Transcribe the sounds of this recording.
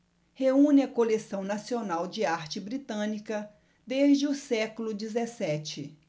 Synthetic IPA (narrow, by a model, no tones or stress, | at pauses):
heũnɪɐkolesɐ̃w̃nasionawd͡ʒɪaɾt͡ʃɪbɾit̪ɐ̃nikɐ | d̪eʒd͡ʒɪʊsɛkulʊd͡ʒizesɛt͡ʃɪ